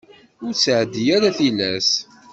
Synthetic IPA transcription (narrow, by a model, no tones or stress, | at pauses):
ʊɾt͡sːʕəd̪ːijæɾæθilæs